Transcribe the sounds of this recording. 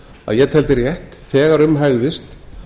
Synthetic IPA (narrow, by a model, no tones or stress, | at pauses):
a̰ðjɛt̪ʰɛlt̪ɪrjɛht̪fɛːɣaɾʏmɦaɣðɪst̪